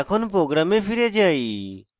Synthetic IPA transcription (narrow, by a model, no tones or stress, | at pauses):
kʰonpɾoːɡɾamepʰiɾed͡ʒai